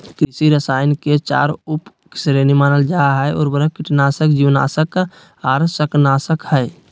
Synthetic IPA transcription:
kɾisiɾəsaːɪnket͡ʃa̰ːɾup | sɾenimaːnəld͡ʒaɦəɔ̰ːɾbəɾəkɪʈnaːsəkd͡ʒiʋna̰ːsək | aːɾsəknaːsəkhəe

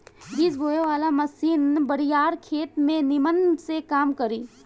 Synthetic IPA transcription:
ɪsbʱoːjeʋaːlamɐsiːnbɐɽijaːɾkʰeːt̪mẽnɪmənsekaːmkɐɾiː

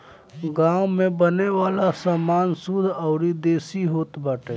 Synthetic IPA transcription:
ɡãːʊmẽbəneʋaːlasaːmaːnsud̪ʱɔʊɾid̪eːsiɦoːt̪baːʈe

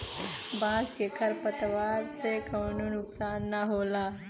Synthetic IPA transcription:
baskekʰəɾpət̪ʋaɾt͡sekəwnunuksanːaɦola

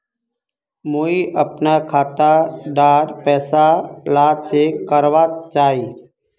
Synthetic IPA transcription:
muːiːʔəpnaːkʰaːt̪aɖaːɾpɛːsalaːsekəɾʋaːt͡ʃaːɦiː

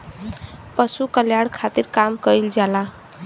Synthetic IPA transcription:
pəsukəljaɽkʰat̪iɾkamkəjld͡ʒala

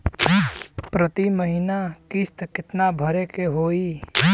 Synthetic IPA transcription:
pɾət̪iməɦinakɪst̪kɪt̪nabʱəɾekeɦoːi

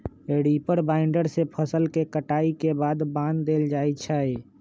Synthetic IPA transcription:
eɽipəɾbaɪɳɖəɾsepʰəsəlkekəʈaikebad̪bãnd̪ːeld͡ʒajt͡ʃʰəj

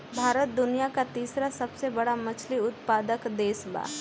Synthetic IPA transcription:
bʱaːɾət̪̚d̪ʊnijakat̪iːsɾasɐbsebɐɽamɐt͡ʃʰliʊt̪̚paːd̪əkd̪eːsba̰ː

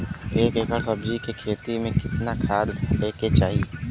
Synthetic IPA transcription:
eːkeːkəɾsɐbd͡ʒikekʰeːt̪imẽkɪt̪nakʰaːd̪leːket͡ʃaːɦieː

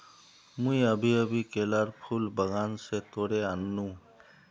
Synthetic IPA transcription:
mũiəbʱiəbʱikelaɾpʰulbəɡaːnset̪oɽeanːũ

